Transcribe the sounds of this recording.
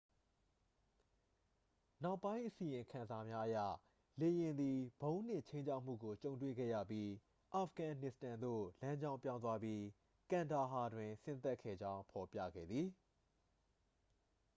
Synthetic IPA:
na˦ʊpːã˦ɪ̃ʔəsi˨jɪ̃˨ŋkʰã˨nza˨mja˦ʔəjä̰˦˨ | le˨jɪ̃˨nd̪i˨bõ˦ʊ̃n̥ɪ̰̃˦˨t͡ɕʰẽ˦ɪ̃ɲt͡ɕʰa˦ʊʔm̥ṵ˦˨ɡo˨t͡ɕõ˨ʊ̃ntwḛ˦˨ɡɛ̰˦˨jä̰˦˨pji˦ | ʔa˨pʰɡã˨nɪ˨stã˨nd̪o̰˦˨lã˦ɲd͡ʑã˦ʊ̃mpjã˦ʊ̃nt̪wa˦bji˦ | kã˨nda˨ɦa˨dwɪ̃˨sɪ̃˦nt̪ɛ˦ʔkʰːɛ̰˦˨d͡ʑã˦ʊ̃pʰɔ˨pjä̰˦˨ɡɛ̰˦˨d̪ði˨

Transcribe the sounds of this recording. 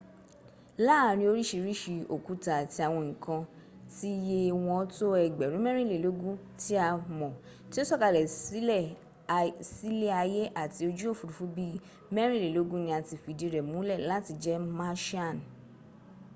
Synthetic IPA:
la˦˨ɾ̃ĩ˧o˧˦ɾi˦ʃi˧ɾi˦ʃi˧o˨ku˦ta˨ti˧a˨w̃ɔ̃˧ŋ̩̃˨kã˧ | ti˦je˦˧w̃ɔ̃˧ɔ˦to˦ɛ˨ɡ͡bɛ˨ɾũ˨˦mɛ˦ɾ̃ĩ˦˨le˨lo˨˦ɡũ˦ | ti˦a˧mɔ̃˨ | ti˦o˦sɔ˦˨ka˨lɛ˨˦˨ | si˦le˦a˧je˦ʔa˦˨ti˧o˧d͡ʒu˦o˦˨fu˨ɾu˨fu˦bi˦ | mɛ˦ɾĩ˦˨le˨lo˨˦ɡũ˦nĩ˧a˧ti˧fi˨˧dĩ˧ɾɛ˨mũ˨˦lɛ˦˨la˨˦ti˧d͡ʒɛ˦mã˦ʃa˦˨n˨

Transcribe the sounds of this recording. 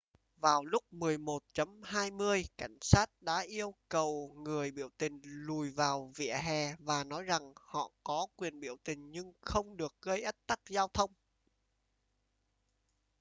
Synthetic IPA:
vaː˨˩wlʊ˦˥k͡p̚mɨ˨˩əjmo˨˩t̚t͡ɕə˨˦mhaː˧jmɨ˧əjka˧˩jŋ̟saː˦˥t̚ɗa̰ː˧˥ʔi˧əwkə˨˩wŋɨ˨˩əjɓḭ˧˩əwt̪ï˨˩ŋ̟lu˨˩jvaː˨˩wvḭ˧˨əɦɛ˨˩vaː˨˩nɔ˨˦jza˨˩ŋhɔ̰˧˨kɔ˨˦kwi˨˩ənɓi˧˩əwt̪ï˨˩ŋ̟ɲɨ˧ŋxə˧wŋ͡mɗɨ˨˩ək̚ɣə˧jʔə˦˥t̚t̪a˦˥k̚zaː˧wt̪ʰə˧wŋ͡m

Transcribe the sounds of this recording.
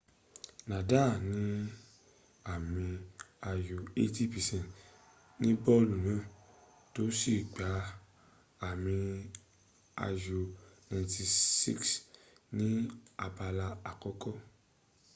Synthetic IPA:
nã˨da˦˨nĩ˨˦ | a˨mĩ˧ | a˧jo˧e˦ti˦pɛ˨sɛ̃˦˨n˨t | nĩ˦bɔ˦lu˨nã˦˨ | to˨˦si˦˨ɡ͡ba˨˦ | a˦˨mĩ˧ | a̰˧jo˧nã˧˨˧ti˧sḭ˦ks | nĩ˦a˧ba˧la˧a˨kɔ˦kɔ˦

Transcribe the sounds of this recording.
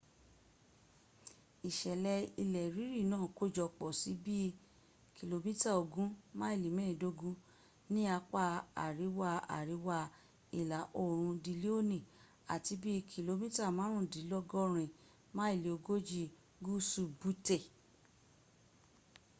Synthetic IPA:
i˨ʃɛ˨lɛ˧i˧lɛ˨ɾi˨˦ɾi˦˨nãː˦˨ko˦d͡ʒɔ˧˨k͡pɔ˨si˨˦bi˦˧ | kʰi˨lo˧mĩ˦ta˦o˨ɡũ˦mã˦i˦˨li˨mɛ̃ː˦˨do˦ɡũ˦ | nĩ˦a˧k͡pa˦a̰˨ɾi˨˦wa˧a̰˨ɾi˨˦wa˧ | i˨la˨˦ʔo˦˨ɾ̃ũ˧di˧li˦o˦˨nĩ˨ | a̰˨ti˧˦bi˦˧kʰi˧lo˧mĩ˦ta˦˨mãː˨˦ɾ̃ũ˦˨di˨˦lɔ˦ɡɔ˦ɾ̃ĩ˨ | mã˦i˦˨le˨o˧ɡo˦d͡ʒi˧ | ɡu˦su˦˨bu˦te˦˨

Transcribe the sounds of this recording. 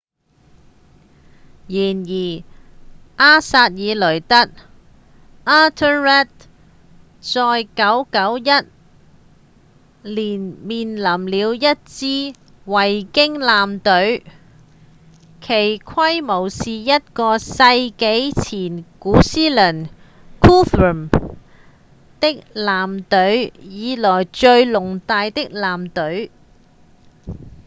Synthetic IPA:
jiː˨˩njiː˨˩ | ʔaː˥saː˧t̚jiː˨˧lɵ˨˩ɥt̪ɐ˥t̚ | ʔaː˥t̪ʰə˥ɹɛ˥t̚ | t͡sɔː˧jkɐ˨˥wkɐ˨˥wjɐ˥t̚ | liː˨˩nmiː˨nlɐ˨˩mliː˨˧wjɐ˥t̚t͡siː˥ | wɐ˨˩jkɪ˥ŋlaː˨mt̪ɵ˨˥ɥ | kʰe˨˩jkʰɐ˥jmo˨˩wsiː˨jɐ˥t̚kɔː˧sɐ˧jke˨˥jt͡sʰiː˨˩nkuː˨˥siː˥lɐ˨˩n | kʰuː˥fu˨˩m | t̪ɪ˥k̚laː˨mt̪ɵ˨˥ɥjiː˨˧lɔː˨˩jt͡ʃɵ˧ɥlʊ˨˩ŋt̪aː˧jt̪ɪ˥k̚laː˨˩mt̪ɵ˨˥ɥ

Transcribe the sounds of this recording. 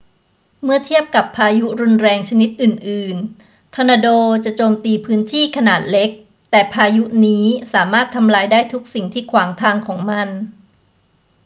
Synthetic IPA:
mɯ˥˩ɐt̪ʰi˥˩əp̚ka˨˩pʰːaː˧ju˦˥ɾu˧nɾɛː˧ŋt͡ɕʰa˧ni˦˥t̪̚ʔɯː˨˩nʔɯː˨˩n | t̪ʰɔ˧naː˧doː˧t͡ɕa˨˩ʔt͡ɕoː˧mt̪iː˧pʰɯː˦˥nt̪ʰiː˥˩kʰa˧naː˨˩t̪̚le˦˥k̚ | t̪ɛː˨˩pʰaː˧ju˦˥niː˦˥saː˩˦maː˥˩t̪ʰːa˧mlaː˧jdaː˥˩jt̪ʰu˦˥k̚si˨˩ŋt̪ʰiː˥˩kʰwaː˩˦ŋt̪ʰaː˧ŋkʰɔː˩˦ŋma˧n

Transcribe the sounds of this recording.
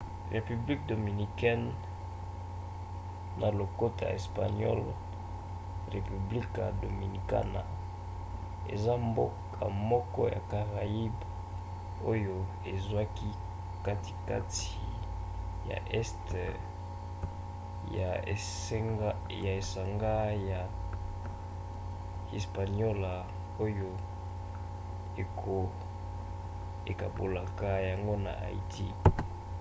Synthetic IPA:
ʁe˨py˨bli˦k̚do˨mi˨ni˨kɛ˦n | na˨lo˨ko˦tʰa̰˨e˨spa˨nɔ̰˦l | ʁe˨py˨bli˦ka̰˨do˨mi˨ni˨ka̰˦na̰˨ | ḛ˨za˦mbo˦kʰ | a̰˨mɔ˦kɔ˦ja̰˨ka˨ʁa˨i˦b | o˦jo˦ | e˨zwa˦ki˦ | ka˦ti̥˨ka˦ti˨ | ja̰˨ʔɛ˦st | a˨˦ | ja˨e˨sa˨ŋɡa˦ja˨ | e˨spa˨njɔ˦la˨ | o˦jo˦ | e˨kʰo˨ | e˨ka˨bo˨la˨ka˦ja˨ŋɡo˦na̰˨ʔa̰˨ḭ˨tʰi˦

